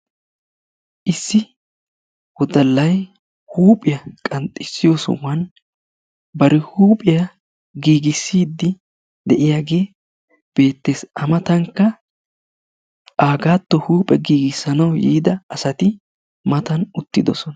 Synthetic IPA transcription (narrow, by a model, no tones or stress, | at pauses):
ʔɪsːɪ | wɔd̪ɐlːɐj | huːpʼɪjɐkʼɐnt̪ʼːɪsːɪjosɔ̰wɐn | bɐɾɪhuːpʼɪjɐ | ɡiːɡɪsːiːd̪ːɪ | d̪ɛʔɪjaɡe̞ː | b̥e̞ːt̪ːeːsɐmɐt̪ɐŋkːɐ | ʔaːɡaːt̪ːɔhuːpʼɛɡiːɡɪsːɐnɐwjḭːd̪ɐɐsɐt̪ɪ | mɐt̪ɐnʊt̪ːɪd̪ɔsɔnɐ